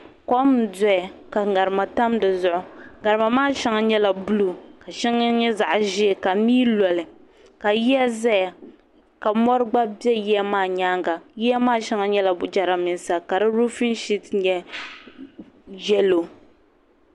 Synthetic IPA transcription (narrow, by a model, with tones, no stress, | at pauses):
kɔ˦m˨dɔ˦ja˨ka˨ŋa˨ɾɨ˨ma˨ta˦mdɨ˨zʊ˦ʔʊ˨ɡa˨ɾɨ˨ma˨maː˦˨ʃɛ˦ŋa˦ɲɛ˦la˨bʊ˦lu˨ka˨ʃɛ˦ŋa˦ɲɛ˦za˨ʔʒɪ˦˨ka˨miː˦lɔ˨lɨ˨ | ka˨ji˦a˦za˦ja˨ | ka˨mɔ˦ɾɨ˦ɡ͡ba˦bjɛ˦ji˦a˦maː˦˨ɲaː˦ŋɡa˨ji˦a˦maː˦˨ʃɛ˦ŋa˦ɲɛ˦la˨bʊ˨d͡ʒa˨ɾa˨mɪ˨nsa˨ka˨dɨ˦ɾu˦fi˦nʃi˦tɲɛ˦ | jɛ˦lo˨